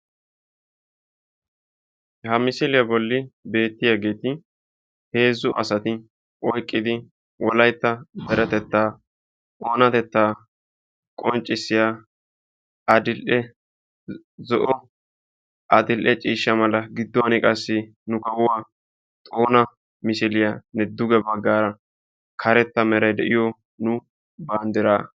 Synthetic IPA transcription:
hɐmɪsɪlɪjɐbɔlːɪbe̞ːt̪ːɪjaːɡe̞ːt̪ɪ | he̞ːzːʊʔɐ̰sɐt̪ɪ | ʔɔjkʼːɪd̪ɪ | wɔlɐjt̪ːɐb̪ɛɾɛt̪ɛt̪ːaː | oːnɐt̪ɛt̪ːaː | kʼɔnt͡ʃʼːɪsːɪjaː | ɐd̪ɪlʔɛ | zɔʔɔ | ʔɐd̪ɪlʔɛt͡ʃʼiːʃːɐmɐlɐɡɪd̪ːɔɐnɪkʼɐsːɪ | nʊkɐwʊwaː | t̪ʼoːnɐ | mɪsɪlɪjanɛd̪ʊɡɛbɐɡːaːɾɐ | kʰɐɾɛt̪ːɐmɛɾɐjd̪ɛʔɪjɔ | nʊ | baːnd̪ɪɾaː

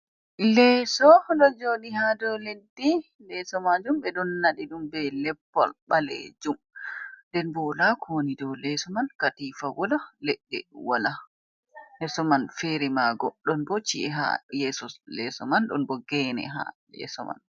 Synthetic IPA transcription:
lɛsɔɗɔd͡ʒoːɗiɦadɔledːi | lɛsɔmad͡ʒumɓɛɗɔnːaɗiɗumbɛlɛpːɔ̰lɓalḛd͡ʒum | dɛnbɔlakɔnidɔwlɛsɔmankatifawɔlalɛɗːɛ̰wala | hɛsɔmanfɛɾɛmaɡɔɗɔnbɔt͡ʃiʔɛɦa̰jɛsɔlɛsɔmanɗɔnbɔɡɛːnɛ̰ɦa̰jɛ̰sɔma̰n

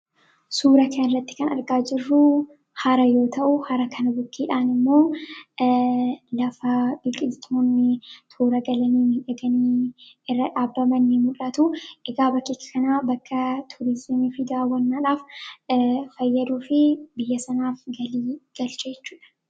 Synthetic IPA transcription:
suːɾɐkʰɐnɪrːɐt̪ːɪ̥kɐnɐ̰ɾɡaːd͡ʒɪrːʊ | hɐɾɐjo̞ːt̪ʰɐʔʊhɐɾɐkʰɐnɐbʊkːiːᶑaːnɪmːo̞ː | lɐfɐbɪkʼɪlt̪ʰːoːnːɪt̪ʰuːɾɐɡɐlɐniːᶑɐɡɐniː | ɪrːɐᶑaːbːɐmɐnːɪmʊᶑɐt̪ʊʔɛɡaːbɐkːiːkːɐ̥kɐnaːbɐkːɐt̪ʰʊɾɪzmiːfɪd̪aːwɐnːaːᶑaːf | fɐjːɐd̪uːfɪbɪjːɐsɐnaːfɡɐliːɡ̥ɐlt͡ʃɐd͡ʒɛt͡ʃːuːᶑɐ̥

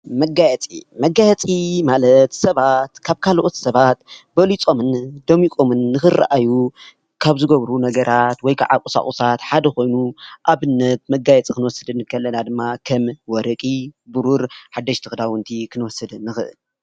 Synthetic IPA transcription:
mɐɡajɛt͡sʼḭmɐɡajɛt͡sʼimalɐt̪sɐβat̪kʰaβkʰalʔo̞t̪sɐβat̪bɐlit͡sʼo̞mɨnd̪omikʼo̞mɨnːɨxɨra̰ʔaju | kʰaβzɨɡɐβɾunɐɡɐɾʔat̪wɔjkʰa̰ʕa̰kʼusa̰χʼusat̪ħad̪ɐko̞jnuʔaβɨnːɐt̪̚mɐɡajɛt͡sʼikʰɨnwɔsɨd̪ɨnkʰɐlːɐnad̪ɨmːakʰɐmwɔɾɐkʼibuɾuɾħad̪ːɐʃt̪ʰɨxd̪awɨnt̪ʰikʰɨnwɔsːɨd̪ɨnːɨxɨʔɨ̰l

